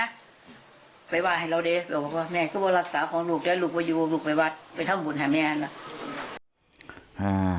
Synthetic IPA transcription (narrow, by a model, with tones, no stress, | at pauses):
a˧˥˧ | pa˨jwaː˧˩ha˨˩jɾa˧wdeː˧˦bɛː˨˩wbaː˨˩k̚waː˧˩mɛː˧˩kɯː˧˩bɔː˧la˧˩k̚saː˨˦kʰɔː˨˦ŋluː˧˩k̚dɛː˧˩˨luː˧˩k̚bɔː˧juː˧bo˧luː˧˩k̚pa˨˩jwa˧˩t̪̚pa˨jt̪ʰa˥˩˨mbu˨˦nhaː˧˩mɛː˧˩ʔa˧nla˧˦ʔ | ʔaː˧˩